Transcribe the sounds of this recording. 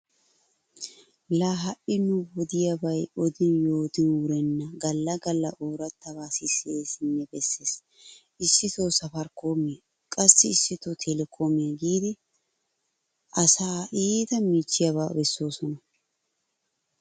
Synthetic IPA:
laːɦɐʔɪnʊwɔd̪ɪjɐbɐjɔd̪ɪnjo̞ːt̪ɪnwʊɾɛnːɐɡɐlːɐɡɐlːɐʔoːɾɐt̪ːɐβaːsɪseːsɪnːɛbɛsːe̞ːs | ʔɪsːɪt̪oːsɐfɐɾko̞ːmɪɐ | kʼɐsːɪːsːɪt̪ɔt̪ʰɛlɛkʰoːmɪjɐɡiːd̪ɪ | ʔɐsaːʔiːd̪ɐmiːt͡ʃːɪjɐβa̰ːbɛsːo̞ːsɔnɐ

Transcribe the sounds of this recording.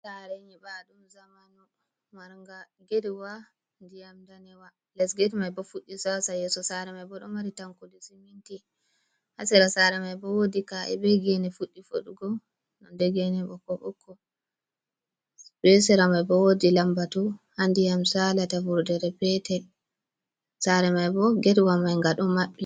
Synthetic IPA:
saɾɛɲibaɗumzamanɔ | maɾŋɡaɡeɾiwa | ndijamdanɛwa | lɛsɡɛtmajbɔfuɗːisasajɛsɔsaɾɛmajbɔɗɔmaɾitamkudisiminti | hasɛɾasaɾɛmajbɔwodikaʔɛ̰bɛɡenɛfuɗːifo̰ɗuɡɔ | nɔ̰ndeɡɛnɛbɔkɔɓɔ̰kʰːɔ | bɛsɛɾamajbɔwodilambatuhandijamsalatavuɾdɛɾɛpɛtɛ | saɾɛmajbɔɡeɾiwamajŋɡaɗɔmaɓi

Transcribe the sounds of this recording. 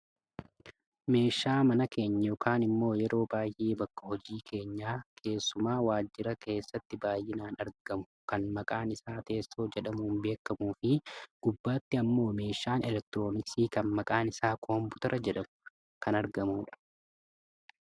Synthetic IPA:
me̞ːʃːaːmɐnɐke̞ːɲːɐjoːkʰaːnɪmːo̞ːjɛɾo̞ːbaːjʔeːbɐkːɐhɔd͡ʒiːkʰe̞ːɲːaːkʰe̞ːsːʊmaːwaːd͡ʒːɪɾɐkʰe̞ːsːɐt̪ːɪbaːjʔɪnaːnɐɾɡ̥ɐmʊ̥kɐnmɐkʼaːnɪsaːt̪e̞ːsːo̞ːd͡ʒɛᶑɐmʊnbe̞ːkːɐmuːfɪɡ̥ʊbːaːt̪ːɪɐmːo̞ːme̞ːʃaːnɛlɛk̚t̪ɪɾo̞ːnɪsiːkɐnmɐkʼaːnɪsaːkʰoːmpʊt̪ɐɾʔɐd͡ʒɛᶑɐmʊ̥ | kɐnɐɾɡɐmuːᶑɐ̥

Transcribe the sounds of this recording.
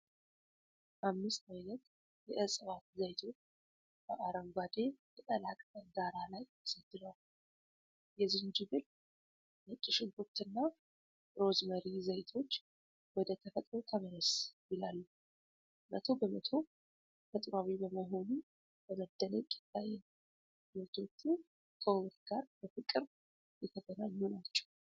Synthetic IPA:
ʔamːɨst̪ajnət̪ | jɛʔəsʼəβat̪zəjt̪ʰo̞t͡ʃː | b̥əʔaɾəŋɡʷad̪e̞jət̪ʼəlakʼəɡaɾalajəsəd̪̥ːɨɾal | jɛzind͡ʒɪɡɨl | mət͡ʃʼːɨʃɪnkʼut̪ːɨnːa | ɾo̞zməɾizəjt̪ʰo̞t͡ʃː | wɔd̪ət̪ʰəfət̪ʼɾo̞t̪ʰəməɾəsjɪlalːu | mə̰t̪ʰo̞bəmət̪ʰo̞ | fʰət̪ʼɾawibəməɦo̞nu | bəməd̪ːənəɲkʼɪ̥t̪ʰːajɛ | ɾɨt̪ʰo̞t͡ʃːun | kʰəwɨt̪ɡaɾbəfɨkʼɨɾ | jɛt̪ʰəɡənaɲːunat͡ʃːɛ̥w

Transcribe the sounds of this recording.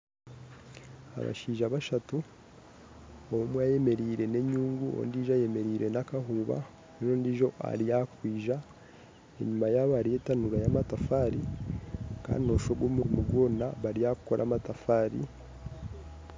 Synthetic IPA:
a̰βa̰ʃiːʒaβaʃatu | oumwaje̞me̞ɾiːɾe̞ne̞ɲuːŋɡuo̰ndiʒaje̞me̞ɾiːɾe̞nakaɦuːβa̰ | enoːndiʒo̞ʔa̰ɾijakwiːʒa | e̞̰ɲumajaːβaɾije̞tanuɾajamatafaɾi | ka̰ːndino̞ʃo̞ɡwomuɾimuɡwo̞ːnaβaɾijaku̥ko̞ɾʔa̰matafaːɾḭ

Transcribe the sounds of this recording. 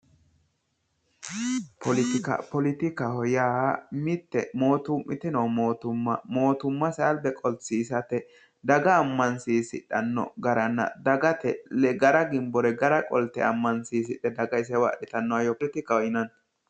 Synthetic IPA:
pʰɔlɪt̪ɪkɐ̰pɔlɪt̪ɪkɐhɔjaːmɪt̪ːɛmo̞ːt̪ʊmʔɪt̪ɪnɐwmoːt̪ʊmːɐ̰mo̞ːt̪ʊmːɐsɐlbɛkʼɔlt͡sːiːsɐt̪ɛ | d̪ɐɡɐːmːɐnsiːsɪ̰ᶑɐnːɔ̰ɡɐɾɐnːɐ̰d̪ɐɡɐt̪ɛ̰lɛɡɐɾɐɡɪmbɔɾɛɡɐɾɐkʼɔlt̪ɛ̰ɐmːɐnsiːs̬ɪɗɛd̪ɐɡɐɪs̬ɛwa̰ɗɪt̪ɐnːɔwajɔplɪt̪ɪkɐɔjɪnɐn

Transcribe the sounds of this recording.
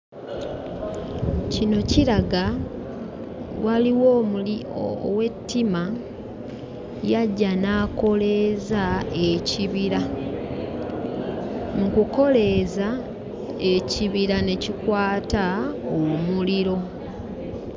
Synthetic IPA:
cino̞ciɾaɡa | waliwom̰ | we̞tːima | jaɟːanaːko̞le̞zaeciβiɾa | mukuko̞le̞za | e̞ciβiɾane̞cikwaːtaowmuliɾo̞

